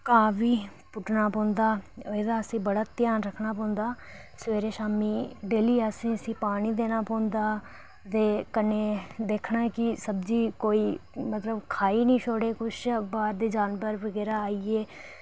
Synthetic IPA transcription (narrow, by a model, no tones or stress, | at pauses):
kãːʋiː | pʊʈnaːpɔ̃ːnd̪aːoed̪aːəsĩːbəɽaːt̪ɪjaːnɾəkʰɳaːpɔ̃ːnd̪aː | sʋeːɾeːʃaːmiːɖeːliːəsĩːəsĩːpaːɽ̃iːd̪eːnaːpɔ̃ːnd̪aː | t̪eːkəneːd̪eːkʰnaːkɪsəbd͡ʒiːkoːiːmət̪ləbkʰaːiːnəĩːt͡ʃʰoːɽeːkʊt͡ʃbaːɾd̪eːd͡ʒaːnbəɾʋəɡɛːɾaːaːieː